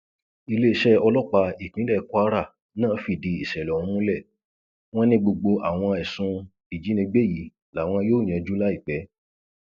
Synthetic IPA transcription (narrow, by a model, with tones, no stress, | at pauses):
i˧le˦i˦˨ʃɛ˦ɔ˧lɔ˦˨k͡pa˧i˨k͡pĩ˨˦ɛ˦˨˧kʷa˦ɾa˦˨ | nãː˦˨˦fi˨di˧i˨ʃɛ˨lɛ̃˨˦ũ˦lɛ˦˨ | w̃ɔ̃˦nĩ˦ɡ͡bo˧ɡ͡bo˧a˨w̃ɔ̃˧ɛ˨sũ˧ | i˨d͡ʒi˨˦nĩ˧ɡ͡be˦˨ji˨˦ | la˨˦˨w̃ɔ̃˧joː˦˨j̃ɛ̃˨˧d͡ʒu˦la˦i˦˨k͡pɛ˨˦